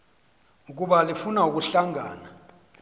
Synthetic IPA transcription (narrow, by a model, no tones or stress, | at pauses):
uk̬ʼuɓalifunauk̬ʼuɬaŋʱaːna